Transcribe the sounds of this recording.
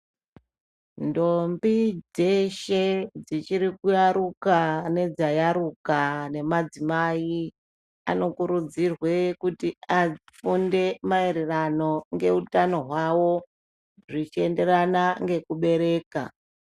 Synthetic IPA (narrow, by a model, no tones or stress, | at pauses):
ndo̞mbid͡zeʃe̞d͡zit͡ʃiɾikujaɾukane̞d͡zajaɾukane̞mad͡zimai | a̰no̞kuɾud͡zirwe̞kutiaifunde̞maeɾerano̞ŋɡe̞utano̞ɦwawo̞ | ʐit͡ʃie̞nde̞ɾanaŋɡe̞kuɓe̞ɾe̞ːka̰